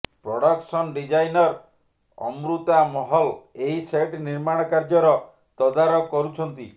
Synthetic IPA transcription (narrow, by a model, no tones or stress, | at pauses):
pɾɔɽɔksɔnɖid͡ʒajnɔɾ | ɔ̰mɾut̪amɔɦɔleɦiseʈniɾmaɽ̃ɔkaɾd͡ʒɔɾɔ | t̪ɔd̪aɾɔkɔɾut͡ʃʰɔnt̪i